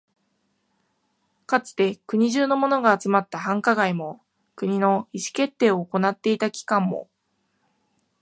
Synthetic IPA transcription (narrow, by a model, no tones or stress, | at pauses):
kat͡sɨ̥t̪e̞kɯ̟ɲ̟iʑɨːnomo̞noɡaːt͡sɨmat̪ːaɦãŋkaɡaimo̞ | kɯ̟ɲ̟ino̞iɕi̥ke̞t̪ːe̞ːo̞ːko̞nat̪ːe̞it̪akʲi̥kãmːo̞̰